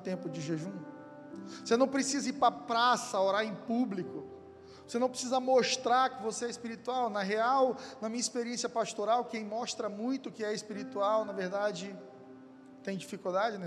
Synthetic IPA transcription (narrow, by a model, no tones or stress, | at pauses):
t̪ẽmpʊd͡ʒɪʒeʒũ | vosenɐ̃w̃pɾesizɐiɾpɾɐpɾasɐoɾaɾẽj̃publikʊ | vosenɐ̃w̃pɾesizɐmoʃt̪ɾaɾkɪvoseɛispiɾit̪uawnɐɦeawnɐmĩɲɐispeɾiẽsjɐpast̪oɾawkẽj̃mɔʃt̪ɾɐmũj̃t̪ʊkɪɛispiɾit̪uawnɐveɾd̪ad͡ʒɪ | t̪ẽj̃d͡ʒifikud̪ad͡ʒɪnɛ